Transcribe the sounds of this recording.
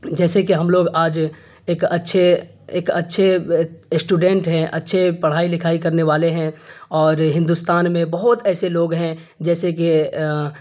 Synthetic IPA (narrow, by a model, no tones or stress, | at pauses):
d͡ʒɛːsekeɦɐmloːɡaːd͡ʒ | eːkɐtːʃʰe | eːkɐtːʃʰesʈuːɖɛ̃ɳʈɦɛ̃ʔɐ̰tːʃʰepɐɽ̤aːilɪkʰaːikɐɾneʋaːleɦɛ̃ɔːɾɦɪ̃nd̪ust̪aːnmẽbɐɦʊt̪ɛːseloːɡɦɛ̃ | d͡ʒɛːseke